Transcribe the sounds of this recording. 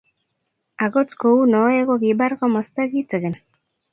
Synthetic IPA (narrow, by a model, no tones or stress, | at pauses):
aɣot͡skounoeɣoɡiβaɾɣomost̪eɣit͡seɣen